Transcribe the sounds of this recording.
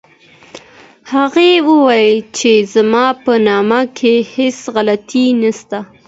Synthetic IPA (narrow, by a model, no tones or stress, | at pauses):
haɣewəwɑjət͡ʃezamɑpənɑmakʰehesɣalat̪inast̪a